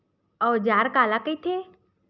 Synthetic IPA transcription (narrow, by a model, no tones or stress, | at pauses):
ɔːd͡ʒaːɾkaːlakəit̪ʰeː